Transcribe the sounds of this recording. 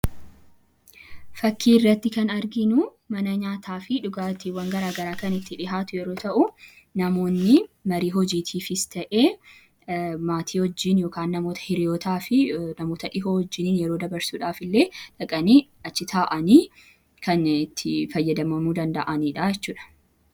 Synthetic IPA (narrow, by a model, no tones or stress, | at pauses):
fɐkʰːiːɪrːɐt̪ːɪkɐnɐɾɡɪnʊ | mɐnɐɲaːt̪ʰaːfɪᶑʊɡaːt̪ɪwɐŋɡɐɾaːɡɐɾaːkɐnɪt̪ːɪᶑɪɦaːt̪ʊjɛɾo̞ːt̪ɐʔʊ | nɐmo̞ːnːɪmɐɾiːɦɔd͡ʒiːt̪ʰiːfɪst̪ɐʔeː | maːt̪ʰiːhɔd͡ʒːiːnjo̞ːkaːnːɐmo̞ːt̪ɐ̥hɪɾɪjoːt̪aːfɪnɐmo̞ːt̪ɐᶑɪɦoːhɔd͡ʒːɪniːnjɛɾoːd̪ɐbɐɾsuːᶑaːfɪlːeːᶑɐkʼɐniː | ɐt͡ʃːɪt̪ʰaːʔɐniː | kɐnɪt̪ːɪfɐjːɐd̪ɐmɐmuːd̪ɐnd̪ɐʔɐniːᶑajɛt͡ʃːuːᶑɐ̥